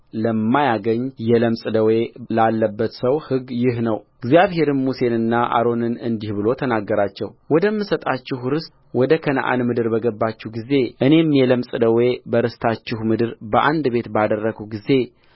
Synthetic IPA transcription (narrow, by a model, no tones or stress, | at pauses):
ləmːajaɡəɲːjɛləmsʼɨd̪əwe̞lalːəbːət̪səwhɨɡjɪhnəwɪɡzijaβhe̞ɾɨnmuse̞nɨnːaʔa̰ɾo̞nɨnɨnd̪ihbɨlo̞t̪ʰənaɡːəɾat͡ʃːɛ̰wwɔd̪əmːɨsət̪ʼat͡ʃːɪhɾɨst̪ | wɔd̪əkʰəna̰ʔa̰nmɨd̪ɨɾbəɡəbːat͡ʃːuhɡize̞ʔɨne̞mjɛləmsʼɨd̪əwe̞bəɾɨst̪ʰat͡ʃːɪhmɨd̪ɨɾbəʔa̰nd̪be̞t̪bad̪ərːəɡuɡize̞